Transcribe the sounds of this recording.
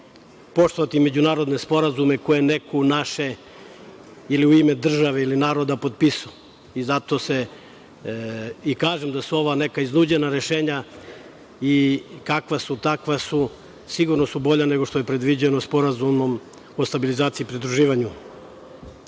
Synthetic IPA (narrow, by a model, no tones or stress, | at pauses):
po̞ʂt̪o̞ʋat̪ime̞d͡ʑunaːɾo̞d̪ne̞spo̞ɾazume̞kojene̞kunaʃe̞ | iliuime̞d̪r̩ʒaʋe̞ilinaːɾo̞d̪apo̞t̪̚pisuo | izat̪o̞se | ikaːʒemd̪asuo̞ʋane̞kaiznuːd͡ʑe̞naɾe̞ʃeːɲa | ikakʋasut̪akʋasu | siɡuɾno̞subo̞ʎane̞ɡo̞ʂt̪o̞jepɾe̞d̪ʋid͡ʑenospo̞ɾazumo̞m | o̞st̪abilizaːt̪siːpɾid̪ɾuʒiːʋaɲu